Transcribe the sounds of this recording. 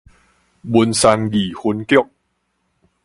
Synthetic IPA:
bo˧nsa˧nɡiː˨˩ho˧˥nki˦˥˨k̚

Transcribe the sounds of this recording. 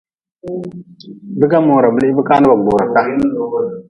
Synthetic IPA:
bi˦ɡa˦mo˨ɾa˨bə˦li˦bə˦ka˦na˦ba˨ɡ͡bo˨ɾa˨ka˦

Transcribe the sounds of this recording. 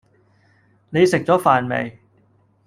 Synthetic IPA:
ne˨˧jsɪ˨˩k̚t͡ɕɔː˨˥faː˨˩nmḛ˨˩j

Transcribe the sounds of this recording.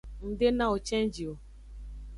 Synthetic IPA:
n̩˨dɪ˦na˨o˨t͡ʃe˦n̩˦d͡ʒi˨o˨

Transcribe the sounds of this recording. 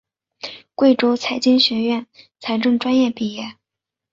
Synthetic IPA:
kwe˥˩ɪʈ͡ʂo˥ʊt͡sʰa˧˥ɪt͡ɕi˥nɕɥɛ˧˥ɥɛ˥˩nt͡sʰa˧˥ɪʈ͡ʂɤ˥˩ŋʈ͡ʂwa˥njɛ˥˧pi˥˧jɛ˥˩

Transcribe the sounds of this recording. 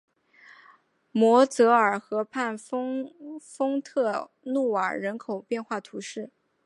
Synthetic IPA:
mwɔ˧˥t͡sɤ˧˥ə˞˨˩xɤ˧˥pʰa˥˩nfŋfɤ˥ŋt̪ʰɤ˥˧ | nu˥˩ə̰˨˩ɻə˧˥nkʰo˨˩ʊpjɛ˥˧nxwa˥˩t̪ʰu˧˥ʂɻ̩˥˩

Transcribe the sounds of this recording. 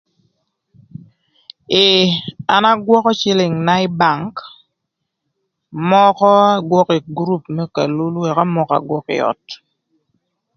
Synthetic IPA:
ɪ˨a˨na˦ɡwɔ˦kɔ˦t͡ʃɪ˦lɪ˨ŋna˦ɪ˦ba˨ŋk | mɔ˦kɔ˦a˦ɡwɔ˦kɪ˨ɡɾu˦pmɛ˦ka̰˨lu˦lwɛ˨ka˦mɔ˦˨ka̰˨ɡwɔ˦kɪ̰˨ɔ̰˨t

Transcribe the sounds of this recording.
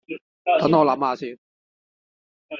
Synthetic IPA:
t̪ɐ˨˥nɔː˨˧lɐ˨˥maː˨˧siː˧n

